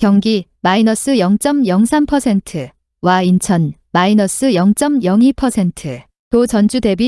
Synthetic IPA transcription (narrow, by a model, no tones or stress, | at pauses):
kjʌŋɡimainʌs͈ɯjʌŋt͡ɕ͈ʌmjʌŋsʰampʰʌsʰe̞ntʰɯ | waint͡ɕʰʌn | mainʌs͈ɯjʌŋt͡ɕ͈ʌmjʌŋipʰʌsʰentʰɯ | tot͡ɕʌnd͡ʑude̞bi